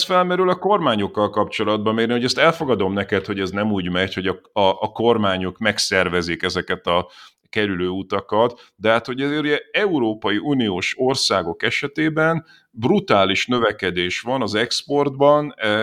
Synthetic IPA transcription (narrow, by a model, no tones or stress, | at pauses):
sfɛlmɛɾylɒko̞rmaːɲo̞kːɒlkɒpt͡ʃo̞lɒd̪̚bɒmmeːɡɾniho̞ɟɛst̪ɛlfo̞ɡɒd̪o̞mnɛkɛt̪ho̞ɟɛznɛmuːɟmɛcho̞ɟɒɒʔːko̞rmaːɲo̞kmɛksɛrvɛzikɛzɛkɛt̪ɒ | kɛɾyløːut̪ɒkɒt̪d̪ɛɦat̪ho̞ɟɛzeːɾuɟɛɛuɾoːpɒjiʔuːnioːʃo̞rsaːɡo̞kɛʃɛt̪eːbɛn | brut̪aːliʃnø̞vɛkɛd̪eːʃʋɒnɒzɛkspo̞rd̪bɒn